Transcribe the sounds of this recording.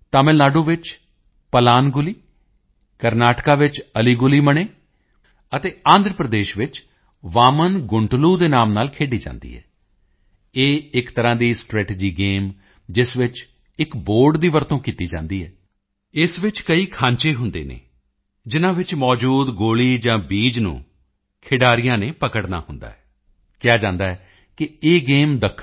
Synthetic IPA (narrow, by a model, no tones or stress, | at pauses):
t̪aːmɪlnaːɖoːʋɪt͡ʃ | pəlaːnɡʊliː | kəɾnaːʈkaːʋɪt͡ʃəliːɡʊliːməɳeː | ət̪eːãːnd̪ɾəpɾəd̪eːʃʋɪt͡ʃ | ʋaːmənɡʊɳʈluːd̪eːnaːmnaːlkʰeːɖiːd͡ʒã̰ːnd̪ḭːɦɛ̰ː | eːɪkt̪əɾãːd̪iːsʈɾɛːʈeːd͡ʒiːɡeːm | d͡ʒɪsʋɪt͡ʃ | ɪkboːɾɖd̪iːʋəɾt̪õːkiːt̪iːd͡ʒã̰ːnd̪iːɦɛː | ɪsʋɪt͡ʃkəiːkʰãːɲt͡ʃeːɦʊnd̪ḛːnḛː | d͡ʒɪnãːʋɪt͡ʃmɔːd͡ʒuːd̪ɡoːliːd͡ʒãːbiːd͡ʒnṵ̃ː | kʰɪɖaːɾijãːneːpəkəɽna̰ːhʊnd̪a̰ːɛː | kɪjaːd͡ʒãːnd̪aːɦɛː | kɪeːɡeːmd̪əkʰː